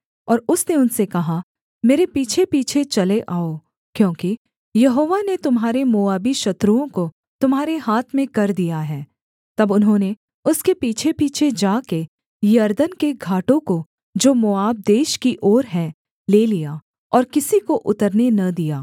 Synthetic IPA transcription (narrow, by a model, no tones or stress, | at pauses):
ɔːɾʊsneʊnsekɐɦa | meːɾepiːt͡ʃʰepiːt͡ʃʰet͡ʃɐleʔaːo | kjõːki | jɐɦoːʋanet̪ʊmɦaːɾemoːaːbiʃɐt̪ɾuõko | t̪ʊmɦaːɾeɦaːt̪ʰmẽkɐɾd̪ijaɦɛː | t̪ɐbʊnɦõːne | ʊskepiːt͡ʃʰepiːt͡ʃʰed͡ʒaːke | jɐɾd̪ənkeɡʱaːʈõko | d͡ʒoːmoaːb̚d̪eːʃkiʔɔːɾɦɛ̃ | leːlija | ɔːɾkɪsikoʔʊt̪əɾnenɐd̪ijaː